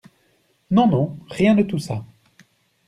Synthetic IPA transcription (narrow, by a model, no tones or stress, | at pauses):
nɔ̃nɔ̃ʁjɛ̃d̪ət̪usa